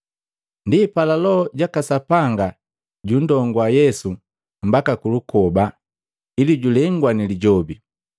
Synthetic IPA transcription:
ndipalalɔɔɟakasapaŋɡa | ɟun̩dɔŋɡwajɛsu | m̩bakakulukʰɔba | iliɟulɛŋɡwaniliɟɔbi

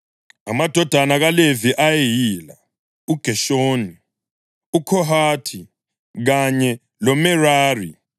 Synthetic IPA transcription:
amad̥ʱɔd̥ʱanaɣaleviʔajejiːla | uɡ̥ʱɛʃoːni | ukʰɔɦatʰi | ɣaɲɛ | lɔmɛraːri

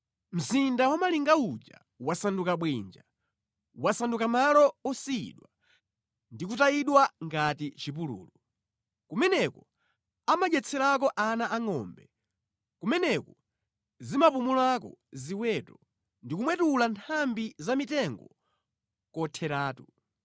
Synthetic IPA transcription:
m̩zindawamaliŋɡaud͡ʒa̰ | wasandukaɓwind͡ʒa | wasandukamalɔɔsiḭɗwa | ndikutaiɗwaŋɡatit͡ʃip̬ulṵːlɔ | kumɛnɛkɔ | amaʄɛt͡sʰɛɾak̬ɔʔanaʔaŋɔmbɛ | kumɛnɛkɔ | zimapumulakɔ̰ziwɛtɔ | ndikumwɛtulantʰambizamitɛŋɡɔ | kɔtʰɛɾaːtu

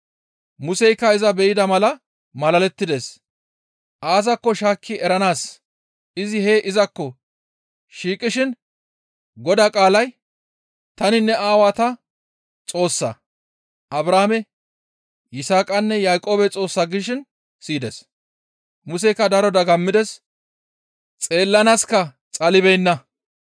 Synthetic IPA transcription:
mʊsɛjkːɐɪzɐbɛjɪd̪ɐmɐlɐ | mɐlɐlɛt̪ːɪd̪es | ʔaːz̬ɐkːɔʃaːkʰːɪɛɾɐnaːs | ɪzɪheːʔɪzɐkːɔ | ʃiːkʼɪʃɪn | ɡɔd̪aːkʼaːlɐj | t̪ɐnɪnːɛaːwaːt̪ɐ | t͡sʼo̞ːsːɐ̰ | ʔɐbɾaːmɛ | jɪsaːkʼɐnːɛjajkʼo̞ːbɛt͡sʼo̞ːsːaɡɪʃ̬ɪn | siːd̪ɛs | mʊsɛkːɐd̪ɐɾɔd̪ɐɡɐmːɪd̪ɛs | t͡sʼe̞ːlːɐnaːskɐ | t͡sʼɐlɪbɛjnːɐ

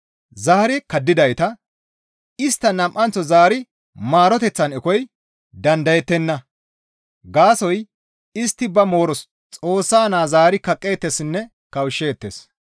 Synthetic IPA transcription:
zaːɾɪkɐd̪ːɪd̪ɐjt̪ɐ | ɪst̪ːɐnɐmʔɐnt͡sːɔzaːɾɪ | maːɾɔt̪ɛt͡sːɐnɛkɔj | d̪ɐnd̪ɐjɛt̪ːɛnːɐ | ɡaːsɔj | ɪst̪ːɪbɐmo̞ːɾɔs | t͡sʼo̞ːsːaːnaːzaːɾɪkɐkʼːe̞ːt̪ːɛsnːɛ | kɐwʃːe̞ːt̪ːes

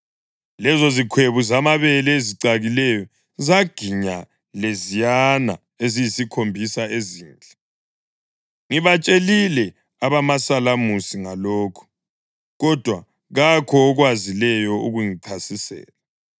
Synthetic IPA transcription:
lɛzozikʰweβuzamaβɛlɛeziǀaɣilɛjɔ | zaɡ̥ʱiɲa | lezijana̰ | ezijisikʰombʱisaeziːnd͡ɮʱʼɛ | ŋiβat͡ʃʼelilɛ | aβamasalamusiŋaloːkʰu̥ | ɣɔd̥ʱwa | ɣakʰɔːɣwazilɛjɔuɣuŋiǀʰasisɛ̰ːla

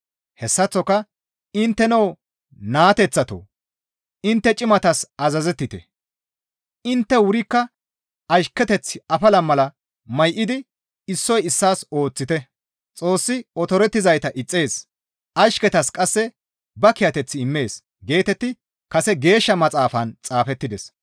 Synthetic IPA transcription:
hɛsːɐt͡sːɔkɐ | ɪnt̪ːɛnɐw | naːt̪ɛt͡sːɐt̪o̰ | ɪnt̪ːɛt͡ʃʼɪmɐt̪ɐsɐzɐzɛt̪ːɪt̪ɛ̰ | ʔɪnt̪ːɛwʊɾɪkːɐ | ɐʃkːɛt̪ɛt͡sːɪɐfɐlɐmɐlɐ | mɐjʔɪd̪ɪ | ɪsːɔjɪsːaːso̞ːt͡sːɪt̪ɛ | t͡sʼo̞ːsːɪɔt̪ɔɾɛt̪ːɪzɐjt̪ɐʔɪt͡sʼːe̞ːs | ʔɐʃkɛt̪ɐskʼɐsːɛ | bɐkɪjɐt̪ɛt͡sːɪɪmːe̞ːs | ɡe̞ːt̪ɛt̪ːɪ | kɐsɛɡe̞ːʃːɐmɐt͡sʼaːfɐnt͡sʼaːfɛt̪ːɪd̪ɛs

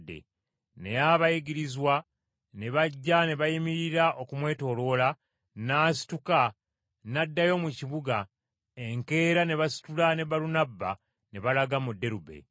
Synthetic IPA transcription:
dːḛ | ne̞jaβajiɡiɾizwa | ne̞βaɟːane̞βajimiɾiɾaʔo̞kumwe̞ːto̞ːlo̞la | naːsi̥tuka | nadːajo̞ːmuciβuɡa | eŋke̞ːɾane̞βasi̥tulane̞βalunabːa | ne̞βalaɡamudːe̞ɾube̞̰

